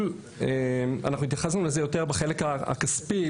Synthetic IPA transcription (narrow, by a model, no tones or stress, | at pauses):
l | ema̰naχnuit̪jaχas̬nulezejo̞teʁbeχe̞lekaa̰kaspi